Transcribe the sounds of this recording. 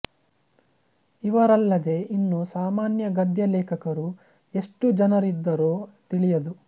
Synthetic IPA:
iʋɐɾɐlːɐd̪e̞ʔinːusaːmaːnjɐɡɐd̪jɐlɛːkʰɐkɐɾu | e̞ʂʈud͡ʒɐnɐɾid̪ːɐɾoːt̪iɭijɐd̪u

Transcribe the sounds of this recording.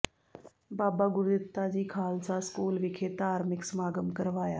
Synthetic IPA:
baːbaːɡʊɾd̪ɪt̪ːad͡ʑiːkʰaːlsaskuːlʋɪkʰeːt̪aːɾmɪksmaːɡəmkəɾʋaːjaː

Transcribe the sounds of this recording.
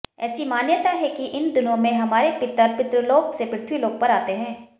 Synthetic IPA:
ɛːsimaːnjət̪aɦɛkiʔɪnd̪ʊnõmẽɦɐmaːɾepɪt̪ːəɾpɪt̪ɾəloːɡsepɾɪt̪ʰwiloːɡ̚pɐɾaːt̪eɦɛ̃ː

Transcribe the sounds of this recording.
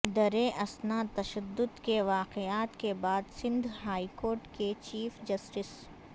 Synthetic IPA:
d̪ɐɾeʔɐsnaːt̪ɐʃɐd̪ːʊd̪keʋaːqeaːt̪kebaːd̪sɪ̃nd̪ʱɦaːikoːɾʈket͡ʃiːfd͡ʒɐsʈɪs

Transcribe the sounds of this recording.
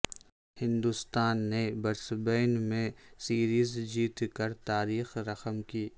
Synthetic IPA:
hɪ̃nd̪ʊst̪aːnːebɐɾsbeːnmẽsiːɾiːzd͡ʒiːt̪kɐɾt̪aːɾiːxɾɐxəmkiː

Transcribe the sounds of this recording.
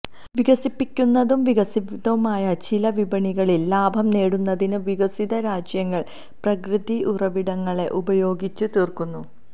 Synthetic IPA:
ʋiɡɐsipːikʲːunːɐðumʋiɣɐsiðɐʋumaːjɐt͡ɕilɐʋibɐɳiɣɐɭilːaːbʱɐmne̞ːɽunːɐðinɨʋiɡɐsiðɐɾaːd͡ʑjɐŋːɐɭ | prɐkrɨd̪iʔurɐʋiɽɐŋːɐɭe̞ʔubɐjo̞ːɡit͡ɕːut̪iːrkunːu

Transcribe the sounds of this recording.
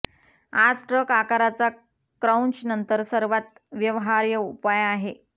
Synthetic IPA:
ad͡zʈɾəkakaɾat͡sa | kɾawnɕnənt̪əɾsəɾʋat̪̚ | ʋjəʋɦaɾjəupajaɦe

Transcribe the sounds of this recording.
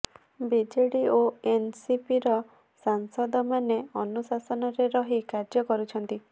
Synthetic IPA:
bid͡ʒeɽioensipiɾɔ | saŋsɔd̪ɔmaneɔnusasɔnɔɾeɾɔɦikaɾd͡ʒɔkɔɾut͡ʃʰɔnt̪i

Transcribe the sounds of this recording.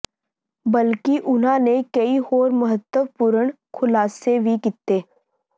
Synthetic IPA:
bəlkiʔʊnɦãːnekɐihoːɾmɐɦət̪ːəʋpʊɾəɳ̃ | kʰʊlaːsebʱikit̪ːeː

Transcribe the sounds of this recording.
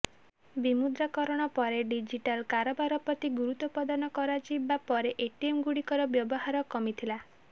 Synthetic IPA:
bimud̪ɾakɔɾɔɽ̃ɔpɔɾeɖid͡ʒiʈalkaɾɔbaɾɔpɔt̪iɡuɾut̪ɔpɔd̪anɔkɔɾad͡ʒibapɔɾeʔeʈiemɡuɽikɔɾɔbjɔbɔɦaɾɔkɔmit̪ʰila

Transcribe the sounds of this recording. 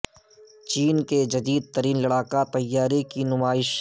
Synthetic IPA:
t͡ʃiːnked͡ʒɐd̪iːd̪̚t̪ɐɾiːnlɐɽaːkat̪ɐjːaːɾikinʊmaːɪʃ

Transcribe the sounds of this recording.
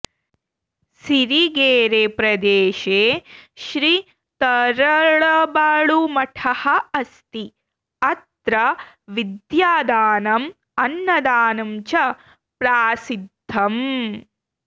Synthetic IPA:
siɾiɡeːɾeːpɾɐd̪eːʃeːʃɾi | t̪ɐɾɐɭɐbaːɭumɐʈʰɐhɐɐst̪i | ɐt̪ɾɐ | ʋid̪jaːd̪aːnɐm | ɐnːɐd̪aːnɐmt͡ʃɐ | pɾaːsid̪ʱːɐm

